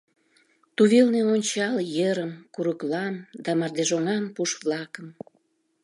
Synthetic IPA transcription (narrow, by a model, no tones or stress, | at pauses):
t̪uβelneonʲt͡ɕɑljəɾəmkuɾəklɑmd̪ɑmɑrd̪eʒoŋɑmpuʃβlɑkəm